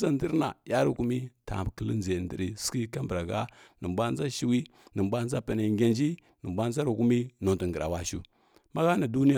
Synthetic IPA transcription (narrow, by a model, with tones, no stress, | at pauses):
za˦˨də˦ɾna˨ja˦ɾi˦ku˦mi˦ta̰˨kə˦lə˦nze˨ndḭ˦ɾi˨ski˦ka˦mbɾa˨ɡa˦nə˨mbʷa˦n˦za˦ʃi˦wi˦ | nə˨mbʷa˦n˦d͡za˦pa˨na˨ŋɡʲa˨nd͡ʒi˦ | nə˨mbʷa˦n˦za˦ɾi˨ku˦mi˦no˨ntə˨ŋ˨ɡə˨ɾa˨wa˦ʃṵ˦ | ma˦ɣa˦na˨du˦ni˦˨